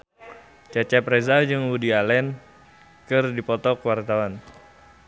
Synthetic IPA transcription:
t͡ʃat͡ʃapɾɛzad͡ʒɨŋwudialɛn | kɨrdipɔt̪ɔkəwart̪awan

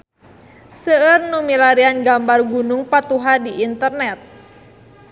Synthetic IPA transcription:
səərnumilaɾianɡambarɡunuŋpat̪uɦadiʔːnt̪ərnɛt̪̚

